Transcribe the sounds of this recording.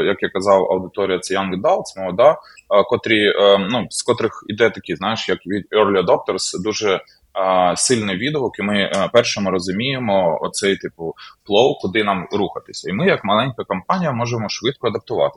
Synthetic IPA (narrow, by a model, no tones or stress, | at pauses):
jɐkjakːɐzɑwɐ̰wd̪ɪt̪ɔɾʲijɐsjɑnɡd̪ɑlˠt̪sʲmɔɔd̪ɑkɔt̪ɾʲinuskɔt̪ɾɪxid̪ɛt̪ɐkʲiznɑjeʃjɐkʋʲid̪ɔrlʲiɐd̪ɔp̚t̪ɔrsd̪uʒɛ | sɪlʲnɪjʋʲid̪ɔʋɔkimɪpɛrʃɔmʊɾɔzʊmʲijemɔɔ̰t̪sɛjt̪ɪpʊplˠɔwkʊd̪ɪnɑmɾuxɐt̪ɪ̥sʲɐimɪjɐkmɐlˠɛnʲkɐkɐmpɑnʲijɐmɔʒemɔʃʋɪt̪̚kɔɐd̪ɐp̚t̪ʊʋɑ̰t̪ɪ